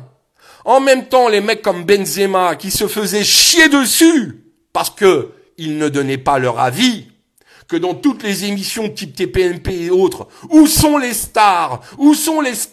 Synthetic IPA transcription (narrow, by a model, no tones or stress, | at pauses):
ɑ̃mɛmt̪ɑ̃lemɛkːɔmbɛnzemakʲisəfəzɛʃjed̪əsy | paʁsə̥kə | ilnəd̪ɔnɛpalœʁa̰vi | kəd̪ɑ̃t̪ut̪lezemisjɔ̃t̪ip̚t̪epeɛnpeːot̪χusɔ̃lest̪aʁusɔ̃les